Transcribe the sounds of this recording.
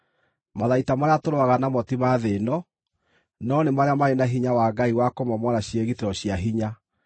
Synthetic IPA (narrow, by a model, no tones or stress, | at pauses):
maðaitamaɾeatoɾoaɣanamɔtimaðenɔ | nɔnemaɾeamaɾenaɦiɲawaːɡaiwakomamwaɾaɕieɣiteɾɔɕiaɦiɲa